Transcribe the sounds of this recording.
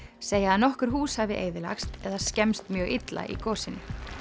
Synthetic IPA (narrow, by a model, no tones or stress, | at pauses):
seːjaaðnɔhkʏɾ̥ɦuːshavɪʔeːjðɪla̰xst̪ɛðascɛmst̪mjœːɣɪt̪la̰ʔḭkɔːsɪnːʏ